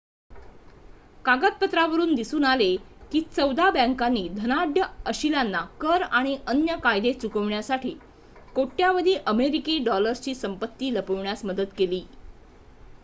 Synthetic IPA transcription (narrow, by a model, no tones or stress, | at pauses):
kaɡət̪̚pət̪ɾaʋəɾuːnd̪isuːnalekiːt͡səwd̪abɛ̃ŋkanːiːd̪ʱənaɖjəəɕilanːakəɾaɽ̃iʔənjəkajd̪et͡sukəʋɳjasaʈʰiː | koʈːjaʋəd̪ʱiːʔəmeɾikeɖɔləɾst͡ɕiːsəmpət̪ːiːləpəʋɳjasməd̪ət̪keliː